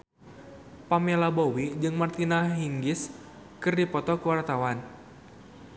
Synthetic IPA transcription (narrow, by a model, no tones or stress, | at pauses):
pamelabowid͡ʒɨŋmart̪inaɦiŋɡɪs | kɨrdipɔt̪ɔkuwart̪awan